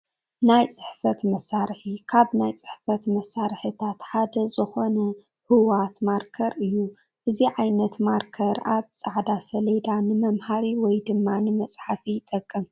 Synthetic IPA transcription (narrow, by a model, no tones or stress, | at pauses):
najt͡sʼɨ̥ħfɐt̪mɐsːaɾɨħikʰaβnajt͡sʼɨ̥ħfɐt̪mɐsːaɾħɨt̪ʰat̪ħad̪ɐzɨxo̞nɐ | hɨwat̪maɾkʰɐɾɨjːu | ʔɨziʕajnɐt̪maɾkʰɐɾaβt͡sʼaʕd̪asɐled̪anɨmɐmhaɾiwɔjd̪ɨmːanɨmɐt͡sʼħafijt̪ʼɐkʼːɨm